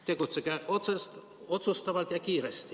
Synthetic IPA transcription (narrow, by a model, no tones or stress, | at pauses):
t̪e̞ɡut̪sekeʔo̞t̪sest̪ | o̞t̪sust̪ɑvɑlt̪jɑkiːɾest̪i̥